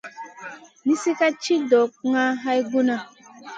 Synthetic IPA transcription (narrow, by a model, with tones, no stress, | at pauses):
ni˦si˦ka˦t͡ʃi˦dɔ˨k̚ŋa˦ɦa˦jɡu˦na˦